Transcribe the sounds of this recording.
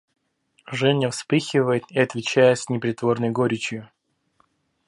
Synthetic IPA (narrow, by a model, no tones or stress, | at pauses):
ʐɛnʲəfspɨxʲɪvəjɪt̪ɪɐt̪vʲɪt͡ɕæjəsʲnʲɪpɾʲɪt̪vo̞rnəjɡoɾʲɪt͡ɕjʊ